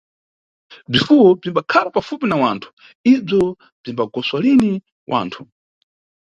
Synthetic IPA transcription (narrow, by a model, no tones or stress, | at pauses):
b͡ʐifuwɔb͡ʐimbakʰalapafupinawaːntʰu̥ | ib͡ʐɔ | b͡ʐimbaɡɔswalini | wʔa̰ːntʰu̥